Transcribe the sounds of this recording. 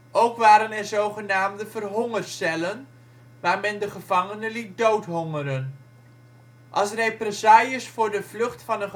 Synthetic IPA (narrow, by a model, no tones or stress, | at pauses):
ʔowkʋaːɾənɛɹzowχənaːmdəvərɦɔŋərsɛlən | ʋaːɹmɛndəχəv̥ɑŋənəlit̚dowtɦɔŋərən | ʔɑlˠsrejprɛsaːjəsfʊːɹdəvlɵχtfɑnə